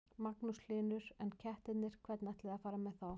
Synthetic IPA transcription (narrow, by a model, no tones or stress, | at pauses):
maknuslɪːnʏɾ̥ɛncʰɛht̪ɪt̪nɪɾ̥kʰvɛt̪nɛht̪lɪðafaːɾamɛðθaw